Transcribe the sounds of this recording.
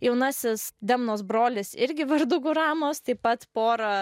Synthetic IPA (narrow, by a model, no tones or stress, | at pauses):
jɛʊnɑsʲɪsd̪ʲɛmnoːsbɾoːlʲɪsɪɾʲɡʲɪʋɐɾd̪ʊɡʊɾɑːmoːst̪ɐɪpɐt̪poːɾɐ